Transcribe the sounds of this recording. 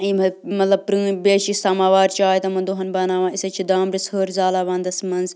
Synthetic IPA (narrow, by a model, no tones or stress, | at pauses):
iːmɐmɐt̪lɐbpɾɨ̃ːbeːʃisɐːmaːʋaːɾt͡ʃaːjt̪ɐmɐnd̪uɦɐnbɐnaːʋãːisɐt͡ʃʰid̪aːmɾishəːɾzaːlɐʋɐ̃ːnd̪ɐsmɐnz